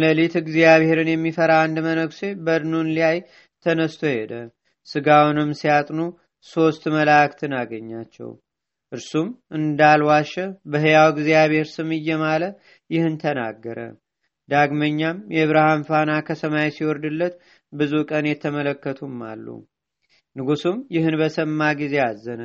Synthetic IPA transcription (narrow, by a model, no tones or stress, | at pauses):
ləlit̪ɨɡzijaβhe̞ɾɨnjɛmːifəɾand̪mənəɡse̞bəd̪ɨnunliaj | t̪ʰənəst̪ʰo̞hed̪ə | sɨɡawnɨmːsijat̪ʼnu | so̞st̪məlakt̪ʰɨnaɡəɲːat͡ʃːɛ̰w | ʔɨɾsumʔɨnd̪alwaʃɛbəɦɨjawɡzijaβe̞ɾsɨmɨjːɛmalə | jɪhɨnt̪ʰəna̰ɡːəɾə̰ | d̪aɡməɲːamjɛβɾahamfanakʰəsəmajsiwɔɾd̪ɨlːət̪ | bɨzukʼənjɛt̪ʰːəmələkːət̪ʰumːa̰lːṵ | nɨɡusumjɪhɨnbəsəmːaɡize̞azːənə